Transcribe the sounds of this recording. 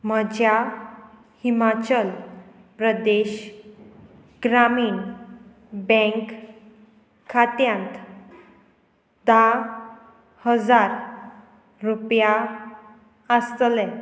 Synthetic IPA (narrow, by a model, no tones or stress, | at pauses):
m̤əd͡ʑja | himat͡ɕəl | pɾəd̪eɕ | ɡɾamiːn | bɛ̃ŋk | at̪jãnt̪ | d̪a | həd͡zaɾ | ɾupja | əst̪lɛ̃